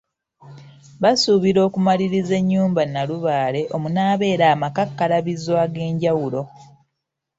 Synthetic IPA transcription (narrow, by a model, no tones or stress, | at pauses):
βasuβiɾo̞ːkumaliɾize̞ɲːuːmbanaluβaːle̞ʔo̞munaːβe̞ːɾaːmakakːalaβizwaːɡe̞ːɲɟawulo̞